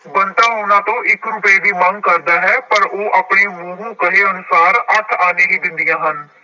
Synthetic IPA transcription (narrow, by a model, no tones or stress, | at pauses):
bənt̪aːɦoːnãːt̪õːʔɪkɾʊpeːd̪iːmə̃ŋɡ̚kəɾd̪aːɦɛːpəɾoːʔaːpɳeːmũːɦũːkəɦeːənʊsaːɾət̪ʰaːneːɦiːd̪ɪ̃nd̪ɪjãːɦən